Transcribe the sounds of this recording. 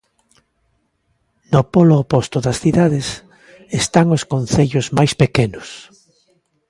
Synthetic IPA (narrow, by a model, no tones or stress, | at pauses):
nopoloːpost̪oðɐsθiðaðes | est̪aŋoskon̟θeʎozmajspekenʊs